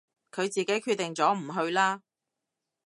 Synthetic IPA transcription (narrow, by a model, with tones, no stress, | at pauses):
kʰɵ˨˧ɥt͡siː˨ke˨˥jkʰy˧t̪ːɪ˨˩ŋt͡sɔː˨˥m̩˨˩ɦɵ˧ɥlaː˥